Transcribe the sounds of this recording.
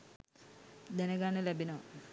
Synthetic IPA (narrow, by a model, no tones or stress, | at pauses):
d̪ɛnəɡanəlæbinəʋ